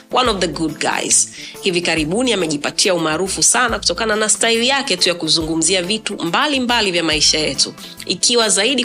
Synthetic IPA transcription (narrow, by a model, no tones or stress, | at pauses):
wʔanɔvðəɡud̚ɡa̰jz̥hivikaɾiɓuniamɛʄipatʰiaumaːɾufusanaku̥tɔkananastailijakɛtujakuzuŋɡum̩ziavitumbalimbalivjamaiʃajɛtu | ikiwazaiɗi